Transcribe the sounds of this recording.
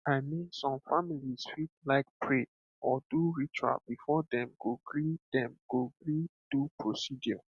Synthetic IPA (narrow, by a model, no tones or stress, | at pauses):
aɪmĩnsɔ̃mfamilisfit̚laɪk̚pʰɹe | ʔɔduɹit͡ʃua̰bifɔdɛ̃mɡ̥oɡɹid̥ɛ̃mɡ̥oɡɹid̥upʰɹosidjɔ